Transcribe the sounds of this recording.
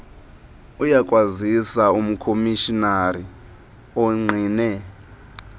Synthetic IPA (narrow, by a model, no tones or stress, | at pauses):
ujakʼwazisaum̩kʰomiʃinari | ɔŋ͡ǀʱinɛ